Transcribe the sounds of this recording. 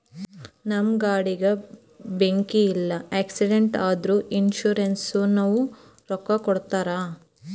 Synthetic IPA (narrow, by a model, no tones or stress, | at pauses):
nɐmɡaːɽiɡɐ | beŋkiːlːɐeːksiɖeɳʈaːd̪ɾuːʔinʃuːɾensunɐʋu | ɾɔkːɐkɔɽt̪aːɾaː